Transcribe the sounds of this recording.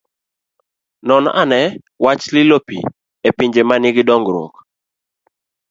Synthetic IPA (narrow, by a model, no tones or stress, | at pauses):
nɔnʔa̰nɛ | wat͡ʃlɪlopḭ | epiɲd͡ʒemanɪɡɪdɔŋɡɾwo̰k